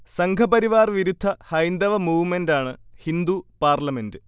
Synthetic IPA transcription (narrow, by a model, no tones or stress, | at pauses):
sɐŋɡʰʱɐbɐɾiʋaːrʋiɾud̪ʱːɐhɐjnd̪ɐʋɐmuːʋmendaːɳɨhind̪upaːrlɐme̞ndɨ